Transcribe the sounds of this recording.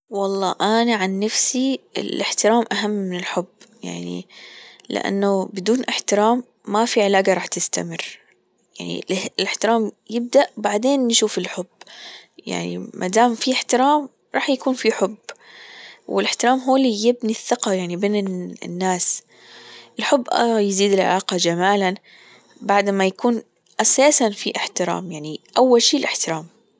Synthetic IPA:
wɑlˤːɑːʔanaʕanːafsiɪ̰lʔɪħt̪ɪɾaːmʔaɦamːɪnɪlħʊbja̰ʕnḭlɪ̰ʔa̰nːabɪd̪uːnʔɪħt̪ɪɾaːmː | afiʕɪlaːɡaɾˤɑːħt̪ɪst̪a̰mɪrː | jaʕnḭllɪħt̪ɪɾaːmjɪb̚d̪aʔbaʕd̪eːnːʃuːfɪlħʊbːja̰ʕnḭmʔa̰d̪aːmfiɪħt̪ɪɾɑːm | ɾˤɑːħjakuːnfiħʊbː | wʔɪlʔɪħt̪ɪɾˤɑːmɦoːlijɪbniθːɪqɑjaʕnibeːnɪ̰nːaːs | ʔɪlħʊbːʔajziːd̪ɪlʕa̰laːqɑd͡ʒamaːlan | baʕd̪majakuːn | ʔasaːsanfiʔɪħt̪ɪɾˤɑ̰ːmjaʕniʔawːalʃiːlʔɪħt̪ɪɾˤaːm

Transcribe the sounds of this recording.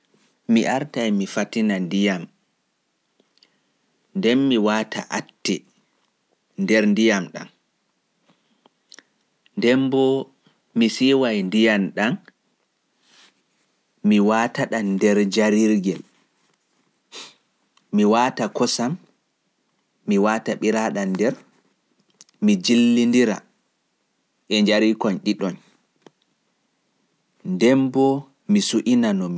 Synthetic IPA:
miʔaɾtajmifatinandijam | ndɛnmiwaːtʰa̰ʔatːi | ndɛɾndijamɗa̰n | ndɛmbɔ | misiwajndijanɗan | miwaːtaɗandɛɾd͡ʒaɾiɾɡɛl | miwaːtakɔsam | iwataɓiɾaɗandɛɾ | mid͡ʒilːindiɾa̰ | ʔɛɲd͡ʒaɾikɔnɗiɗɔn | ndɛmbɔ | misuʔinanɔmi

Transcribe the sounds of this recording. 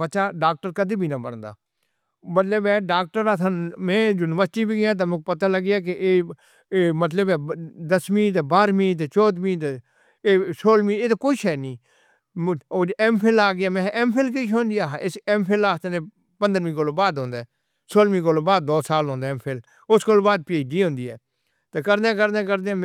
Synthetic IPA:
bətːʃaːɖaːk̚ʈəɾkəd̪iːbʱiːnaːbənd̪a̰ː | mət̪ləbɛːɖaːk̚ʈəɾaːt̪ʰənmɛ̃ːd͡ʒʊnəʋəsʈiːbiːɡɪjãːt̪̬amẽːpət̪aːləɡɪjaːk̬eʔeː | mət̪̬ləbɛːd̪əsmĩːt̪ːbaːɾmĩːt̪̬ːt͡ʃɔːd̪mĩːt̪ː | eːsoːlmĩːeːt̪akoiʃʰɛːnĩː | oɛːmpʰelaːɡɪjaːmẽʔɛmpʰelk̬ɪʃʰõːnd̪ijaːɦɪsɛmpʰelaːst̪nẽː | pə̃nd̪əɾmĩːkoːloːbaːd̪ɦõːnd̪aː | soːlmĩːk̬oːloːbaːd̪̚ːoːsaːlõːnd̪aːmpʰel | ʊskoːlobaːd̪̚peːɖiːɦõːnd̪iːɦɛː | t̪eːkəɾd̪ẽːk̬əɾd̪eːk̬əɾd̪ẽː

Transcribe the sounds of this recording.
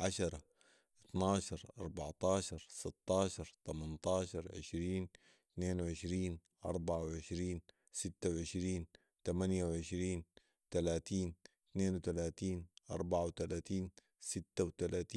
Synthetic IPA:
ʕaʃɑɾˤɑ | ʔɪt̪nɑːʃɑɾˤʔɑ̰ɾˤbɑʕt̪ˤɑːʃɑɾˤsɪt̪ˤːɑːʃɑɾˤt̪amɑnt̪ˤɑːʃɑɾˤʕɪ̰ʃɾiːn | t̪neːnwʕɪʃɾiːnʔɑ̰ɾˤbaʕawʕɪʃɾiːn | sɪt̪ːawʕɪʃɾiːn | t̪amanjawʕɪʃɾiːn | t̪alaːt̪iːn | t̪neːnwt̪alaːt̪iːnʔɑ̰ɾˤbaʕawt̪alaːt̪iːn | sit̪ːawt̪alaːt̪iː

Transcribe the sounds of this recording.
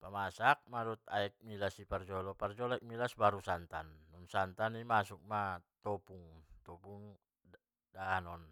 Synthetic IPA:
pamasak̚maɾut̪̚aɛk̚milasipard͡ʒɔlɔpard͡ʒɔlaik̚milasbaɾusant̪anːunsant̪animasuk̚mat̪ɔpuŋt̪ɔpuŋ | daːnɔn

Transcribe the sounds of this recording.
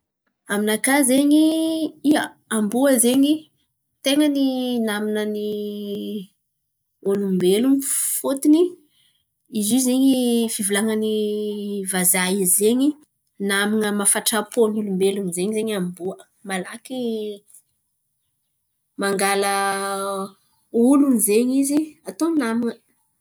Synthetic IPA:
aminakazeɲiiə | ambuəzeɲi | t̪eŋəninaminəni | olumbelumfot̪ini | izizeɲifivulaŋəni | vazaizeɲi | naminəmafaʈ͡ʂapolulumbelunzeɲizeɲambuə | malaki | maŋɡalə | ulunizeɲiziat̪onaminə

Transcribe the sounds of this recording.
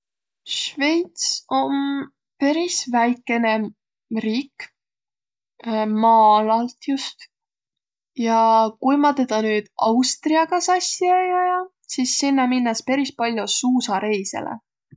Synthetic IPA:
ʃve̞jt̪so̞n | peɾisvæjkːˑe̞ne̞ | riːk | mɑːlɑlt̪just̪ | jɑkujmɑt̪ed̪̥ɑnyːd̪̥ɑwst̪riɑɡ̥ɑsɑsʲːiɑjɑjɑ | sisːinːɑminːɑspeɾispɑlʲjosuːsɑɾe̞jsḛlḛ

